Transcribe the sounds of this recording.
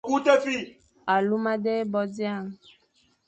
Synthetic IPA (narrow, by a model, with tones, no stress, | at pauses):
ku˦t̪e˦fi˦˨ | a˨lu˦mã˦ɖe˦bɔ˨d͡ʒi˦a˦˨ŋ˨